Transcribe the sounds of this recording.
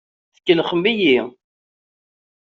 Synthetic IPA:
θə̥kːəlχəmbiji

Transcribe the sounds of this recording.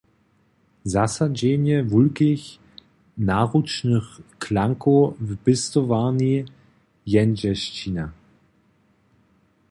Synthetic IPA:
zasad͡ʑɛɲɛvulkɪç | naːʁut͡ʃnəxkʰlaŋkuvb̥ɪst̪ɔvaːni | jɛnd͡ʑɛʃt͡ɕina

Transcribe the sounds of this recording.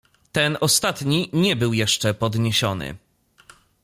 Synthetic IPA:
t̪ɛnɔst̪at̪ɲiɲɛbɘwjɛʂt͡ʂɛpɔd̪ɲeɕɔnɘ̰

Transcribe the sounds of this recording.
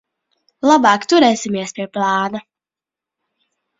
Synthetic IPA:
lˠabɑːkt̪uɾɛjsʲimiɛspʲiɛplˠɑːna

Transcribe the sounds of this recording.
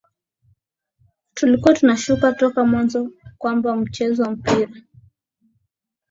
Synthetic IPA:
tulikuwatunaʃukatɔkamwanzɔkwambam̩t͡ʃɛzɔwam̩piɾa

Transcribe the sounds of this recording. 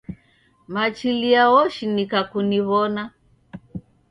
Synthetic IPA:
mat͡ʃiliawɔʃinikakuniβɔna

